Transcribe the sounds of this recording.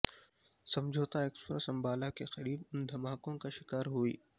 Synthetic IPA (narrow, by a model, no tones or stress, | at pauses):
sɐ̃md͡ʒʱoːt̪aeːkspɾesɐ̃mbaːlakexɐɾiːbʊnd̪ʱɐmaːkõkaʃɪ̥kaːɾɦuḭː